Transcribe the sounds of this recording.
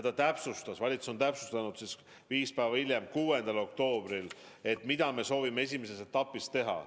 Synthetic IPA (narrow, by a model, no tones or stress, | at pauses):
ed̪̥ɑt̪æpsust̪ɑsvɑlʲit̪suso̞nt̪æpsu̥st̪ɑnud̪sis | viːspæːvɑilʲjemkuːe̞nd̪̥ɑlo̞k̚t̪o̞ːb̥ɾil | e̞t̪mid̪̥ɑme̞so̞ːvime̞es̬ʲimesese̞t̪ːˑɑpːˑist̪e̞ɦɑ̰